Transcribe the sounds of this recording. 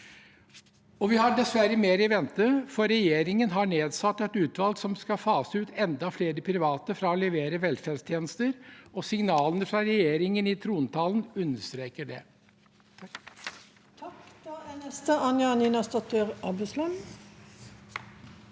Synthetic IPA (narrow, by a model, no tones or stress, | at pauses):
ɔʋɪhɑɖɛsʋæɾəmeːɾɪʋɛnt̪əfɔɾɛjeːɾɪŋənɦɑɳeːd̪sɑt̪ːɛt̪ʉːt̪ʋɑlɡsɔmskɑfɑːsəʉːt̪ʰɛnd̪ɑfleːɾəpʰɾɪʋɑːt̪əfɾɑɔlɛʋeːɾəʋɛlfæːd̪st̪ʰjeːnəst̪əɾɔsɪŋnɑːlənəfɾɑɾɛjeːɾɪŋənɪt̪ʰɾuːnt̪ʰɑːlənʉnːəʂt̪ɾeːkəɖɛ̰ | t̪ʰk̪nɛst̪əɑnjɑniːnɑst̪ɔt̪ʰːəʁɑbæslɛn